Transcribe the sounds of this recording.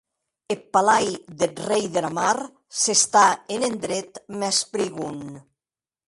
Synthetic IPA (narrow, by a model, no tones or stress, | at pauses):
epːalajðet̪rejðelamaɾ | sest̪aenend̪ɾet̪mɛspɾiɣun